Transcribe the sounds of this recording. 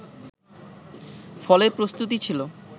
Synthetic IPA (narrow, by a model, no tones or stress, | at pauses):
fɔleɾpɾost̪ut̪̬it͡ɕʰilo